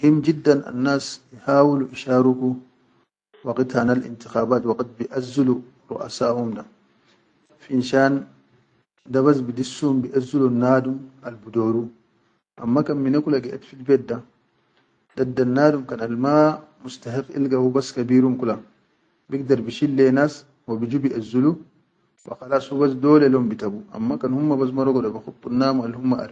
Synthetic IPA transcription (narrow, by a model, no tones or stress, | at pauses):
himd͡ʒidːana̰nːaːsjihaːwuluʔiʃaːɾuku | waqit̪hanalʔḭnt̪ixaːbaːt̪waqt̪̚biʔazulu | ɾṵʔa̰saːhumda | finʃaːn | dabas̬bidisːumbiʔazulunːaːdumalbudoːɾu | ʔa̰mːakanminakulaɡɛʔetfidbɛdːa | d̥adːanːaːdumkanalmamustahiqːḭlɡawubaskabiɾumkula | bikdaɾbiʃilːɛnas | wabid͡ʒubiʔazulu | ba̰xalasubas̬dɔːlɛlombitabuʔa̰mːakanhumːabas̬maɾɔɡɔdabaxupːunːaːmualhumːaʔa̰